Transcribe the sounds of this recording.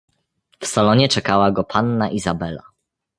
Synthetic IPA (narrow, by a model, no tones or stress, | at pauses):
fsalɔɲɛt͡ʂɛkawaɡɔpʰanːaʔizabɛla̰